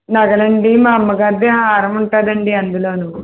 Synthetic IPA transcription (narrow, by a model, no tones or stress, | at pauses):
nɐɡɐɭɐɳɖimaːmːɐɡaːd̪jɐɦɐ̃aːɾɐmuɳʈaːd̪ɐɳɖiɐnd̪uloːnuʋ